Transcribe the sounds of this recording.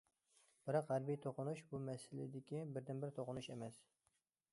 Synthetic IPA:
b̥ɪɾɑqʁæɾbijt̪ʰoqʊnuʃbumɛsɪlɪ̰d̪ɪkʲibɪɾd̪ɪnbɪɾt̪ʰoqʊnuʃemɛs

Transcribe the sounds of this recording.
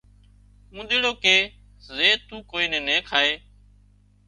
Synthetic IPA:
mũːɗ̪ɪːɽoːkeː | zeːt̪ũːkoːiːnẽːnẽːkʰaːeː

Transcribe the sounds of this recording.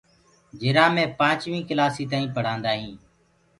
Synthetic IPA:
d͡ʒɪɾaːmẽːpãːt͡ʃʋĩːkəlaːsiːt̪̬aːĩːpəɽ̤ãːnd̪aːɦĩː

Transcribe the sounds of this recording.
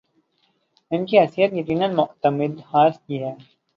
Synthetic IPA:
ɪnkiɦɐsijət̪jɐqiːnənmʊʔt̪əmɪd̪haːɾskiːɦɛː

